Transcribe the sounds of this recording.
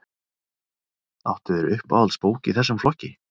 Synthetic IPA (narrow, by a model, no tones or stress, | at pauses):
awht̪ʏðɛɾʏhpa̰walspoːwcɪḭθɛsːʏmflɔhcːɪ